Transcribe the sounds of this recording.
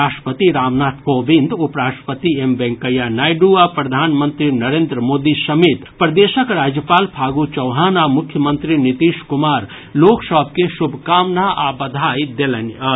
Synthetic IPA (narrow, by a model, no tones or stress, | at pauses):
aːʃʈə̥pət̪iɾaːmnaːt̪ʰkoːbĩnd̪upɾaːʈəpət̪iembɛ̃ŋkəjanaːjɖuapɾɐd̪ʱaːnmə̃nt̪ɾinɐɾeːnd̪ɾəmoːd̪isɐmeːt̪pɾd̪eːʃəkɾaːd͡ʒjəpaːlpʰaːɡut͡ʃɔwɦaːnaːmʊkʰjəmə̃nt̪ɾinit̪iːʃkʊmaːɾ | loːksɔbkesʊbʱkaːmnaʔabɐd̪ʱaːjd̪elənɐ